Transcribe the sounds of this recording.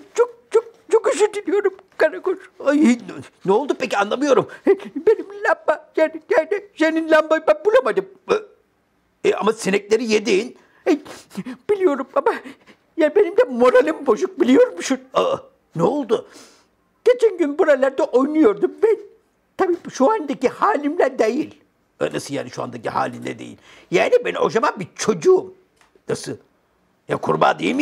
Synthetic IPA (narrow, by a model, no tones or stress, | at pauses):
t͡ʃʰok̚t͡ʃʰok̚t͡ʃʰokyʃyd̪ilʲijo̞ɾumkaɾakoɾainɛolˠd̪upʰecianlˠamɯjo̞ɾumbenimlʲambajanijad̪ɛʃeninlʲambabænbulˠamad̪ɯm | ɛa̰masinɛclʲe̞ɾijed̪iːn | ɛjb̥ilʲijo̞ɾumama | jaːnbe̞nimd̪ɛmo̞ɾalʲimbo̞ʒuk̚bilʲijo̞ɾumʃua | nɛolˠd̪u | ɟ̥e̞t͡ʃʰænɟynbuɾalʲæɾd̪ɛʔo̞jnujo̞ɾd̪umbɛn | t̪ʰabiːbʃuand̪acihaːlʲimlʲɛd̪ejil̰ʲ | nasɯlˠja̰ːniʃua̰nd̪aciha̰ːlʲimlʲɛ̰d̪ḛjḭlʲ | jaːnibɛno̞̰ʒamabit͡ʃʰo̞d͡ʒuum | nasɯ | ja̰kʰuɾba̰ːd̪ejm